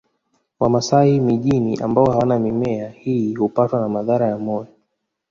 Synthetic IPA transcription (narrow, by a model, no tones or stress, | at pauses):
wamasahimiʄiniʔa̰mbaɔhawanamimɛahihupatwanamaðaɾajamɔjɔ